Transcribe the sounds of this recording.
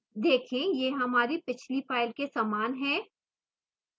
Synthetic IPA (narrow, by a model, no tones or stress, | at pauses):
d̪eːkʰẽjeːɦɐmaːɾipɪt͡ʃʰlipaːɪlkesaːmaːnɦɛ̃ː